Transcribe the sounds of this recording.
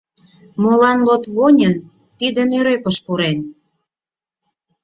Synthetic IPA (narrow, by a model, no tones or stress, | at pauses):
molɑnlot̪βonʲən | t̪id̪ə̆nøɾøkəʃpuɾen